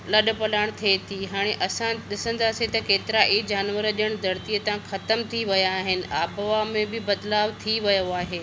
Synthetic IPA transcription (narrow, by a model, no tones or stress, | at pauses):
lɐɗʊ̆pɐlaːɽ̃t̪ʰet̪ʰiɦaːɽ̃eʔɐsãɗɪsə̃nd̪aːset̪ɐkeːt̪ɪɾaʔid͡ʑaːnʋəɾəʄəɽ̃d̪ʱɐɾt̪ijət̪ãxɐt̪əmt̪ʰiʋɐjaːɦɪnɪ̆ʔaːbʋamẽbɪbɐd̪laːʋt̪ʰiʋɐjoaːɦeː